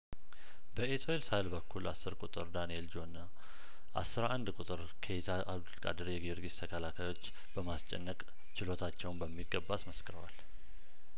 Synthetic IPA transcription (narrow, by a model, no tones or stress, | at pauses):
bəet̪ʰoelsajlbəkʰːulasːɨɾkʼut̪ʼɨɾd̪anield͡ʒo̞nə | ʔa̰sːɨɾʔand̪kʼut̪ʼɨɾ | kʰeet̪ʰaʔaβd̪ulkʼa̰d̪əɾjɛɡiɾɡist̪ʰəkʰəlakʰajo̞t͡ʃː | b̥əmast͡ʃʼɛ̰nːəkʼ | t͡ʃɪlo̞t̪ʰat͡ʃːɛwnbəmːiɡːəbːat̪məskɨɾəwa̰l